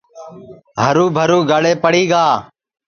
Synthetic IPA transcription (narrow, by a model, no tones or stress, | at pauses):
ɦəɾuːbʱəɾuːɡʱəɽeːpəɽiːɡaː